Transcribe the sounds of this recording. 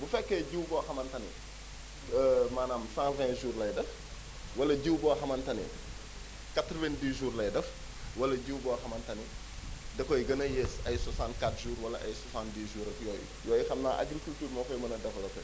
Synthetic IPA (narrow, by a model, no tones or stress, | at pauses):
bufɛkːɛɟiwbɔxɐmɐntɐnḭ | manaːmsãːvɛ̃ːʒuːrlɐjdɐf | wɐlɐɟiwbɔːxɐmɐntɐnḭ | katɾvɛndiːʒuːrlɐjdɐf | wɐlɐɟiwbɔxɐmɐntɐni | dɛkɔjɡɐnɐjɛsɐjsɐsãːntkatʒuːɾwɐlɐʔɐjsɐsãːntdiːʒuːɾɐfjɔːjṵjɔːjixɐmnaːʔa̰ɡɾikultuːrmɔkɔjmɐnɐdɐfɐlɐtɐ̰